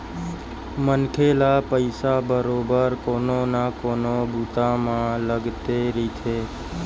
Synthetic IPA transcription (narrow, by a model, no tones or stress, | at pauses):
mənkʰelapəɪsabəɾobəɾkononakoːnobʱut̪amãləɡt̪eɾit̪ʰe